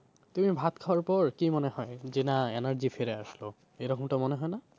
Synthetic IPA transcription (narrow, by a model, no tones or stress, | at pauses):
t̪umibʱat̪kʰawaɹpɔɹkimɔneɦɔed͡ʑenaɛnaɾd͡ʑifʰeɾeaʃlo | ejɾɔkɔmʈamoneɦɔjna